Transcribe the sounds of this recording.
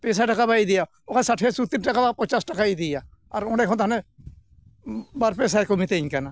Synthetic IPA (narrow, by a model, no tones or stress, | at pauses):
pɛːs̬aʈəkabaid̪ija | okʰasaʈʰesut̪inʈəkabapət͡ʃaːsʈəkaid̪ija | ɐɾoɽɖekʰãt̪ʰane | baɾpeːs̬akɔmit̪eĩkana